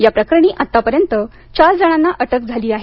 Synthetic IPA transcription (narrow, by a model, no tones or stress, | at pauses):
japɾəkɾəɳ̃iːʔat̪ːapəɾjənt̪ə | t͡ɕaɾd͡zəɽ̃ãnːaʔəʈəkd͡zʱaliːaɦ